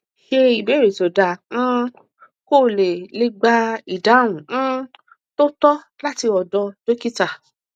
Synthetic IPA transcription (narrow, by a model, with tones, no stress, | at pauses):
ʃe˧i˨be˨˦ɾe˨to˨dã˨˧˨ | ko˦˨le˨le˦ɡ͡ba˦i˨da˨˦w̃ũ˨˦ | to˦tɔ˦ | la˦ti˧ɔ˨dɔ˧d͡ʒo˦ki˦ta˨